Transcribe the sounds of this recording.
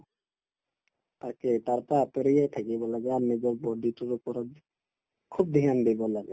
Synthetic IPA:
t̪aket̪aɾt̪apeɾijajt̪ʰakibɔlaɡɛaɾnid͡ʒɔɾbɔɖituɾupɔɾɔ | kʰub̚d̪ʱijand̪ebɔlaɡḛ

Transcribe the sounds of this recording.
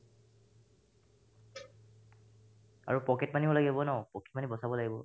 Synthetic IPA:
a̰ɹupɔkɛtmaniɔlaɡibɔnɔpɔkʰɛt̚manibɔsabɔlaɡibɔ

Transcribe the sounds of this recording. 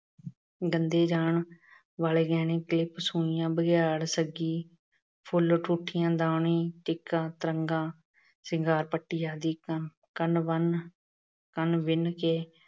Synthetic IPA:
ɡənd̪eːd͡ʒaːɳ | ʋaːleːɡɛːnẽːklɪpsũːɪjãːbəɡjaːɽsəɡiː | pʰʊlʈʰuːʈʰːɪjãːd̪ãːɳĩːʈɪkːãːt̪əɾəŋɡãː | sɪŋɡaːɾpəʈːiːjaːd̪iː | kənʋən | kənʋɪnkeː

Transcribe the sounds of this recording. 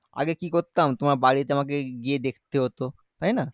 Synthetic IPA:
a̰ɡekikoɾt̪amt̪omaɾbaɽit̪eamak̬eɡied̪ekʰt̪eɦot̪o | t̪ajna

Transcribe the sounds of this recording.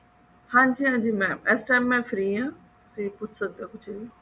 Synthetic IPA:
hãːɲd͡ʒiːɦãːd͡ʒiːmɛ̃ːɛsʈaːjmːɛ̃ːfʰɾiːãː | ʊsiːpʊt͡ʃʰsəd̪aːkʊt͡ʃʰei

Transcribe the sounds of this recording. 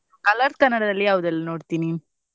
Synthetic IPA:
kɐlɐɾt̪̚kɐnːɐɽɐd̪ɐlːijaːʋud̪ɐlːɐnoːɽt̪iːni

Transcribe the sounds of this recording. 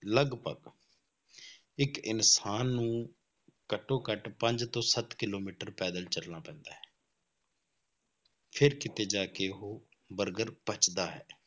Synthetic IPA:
ləɡpə̰ɡ | ɪkɪnsaːnːũː | kəʈːõːkəʈpə̃ɲd͡ʒt̪õːsət̪kɪloːmiːʈəɾpɛːd̪əlt͡ʃəlnaːpɛ̃ːnd̪aːɦɛ̥ː | pʰɪɾkɪt̪eːd͡ʒaːkeːɦoː | bəɾɡəɾpət͡ʃd̪aːɦɛ̰ː

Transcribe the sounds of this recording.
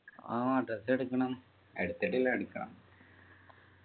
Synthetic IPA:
a̰aɖrɐseɽukːɐɳɐm | eɽut̪ːeʈːilːaeɽukːɐɳɐ̰m

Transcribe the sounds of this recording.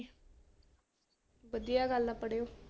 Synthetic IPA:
ʋəd̪ijaɡəlːapəɽejoː

